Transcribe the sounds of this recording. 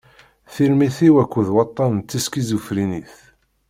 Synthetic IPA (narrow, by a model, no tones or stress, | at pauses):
θiɾmiθiwækʷːəðwɑt̪ˤːɑnt͡s̪ːiskizufɾiniθ